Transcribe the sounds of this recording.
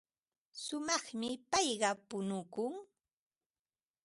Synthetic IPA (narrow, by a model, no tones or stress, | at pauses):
sʊmɑχmɪpɑjɢɑpʊnʊkʊŋ